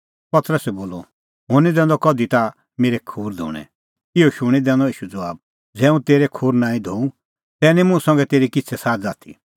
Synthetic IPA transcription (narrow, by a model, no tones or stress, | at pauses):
pɐt̪ɾəsɛboːlɔ̰ | ɦʊnid̪ɛ̃ːnd̪ɔkɔd̪it̪a | meːɾɛkʰuːɾd̪ʱo̰ːɽ̃ɛ̰̃ | ɪɔʃʊɽ̃id̪ɛ̃ːnd̪ɔiːʃud͡zɐʋaːb̚ | d͡zɛːũt̪eːɾɛkʰuːɾnãːĩd̪ʱoũ | t̪ɛːnimʊ̃ːsɐ̃ŋɡɛt̪eːɾikɪt͡sʰɛsaːd͡zaːt̪ʰḭ